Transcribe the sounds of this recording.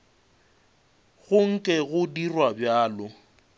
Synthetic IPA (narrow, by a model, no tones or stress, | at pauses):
ɣʊŋ̩kʼɛɣʊdirwabjaːlʊ